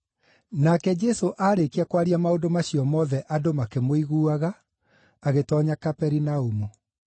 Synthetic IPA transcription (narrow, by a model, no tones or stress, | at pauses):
nakɛd͡ʒɛsoʔaːɾekiakwaɾiamaodomaɕiɔmɔðɛʔadomakemoiɣuːaɣaː | ɣetɔɲakapɛɾinaumu